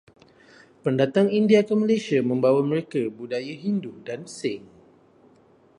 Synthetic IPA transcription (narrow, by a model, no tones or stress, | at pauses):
pəndat̪aŋindiakəmalajsiamə̃mbawaməɾekabudajaɦindudansɪŋ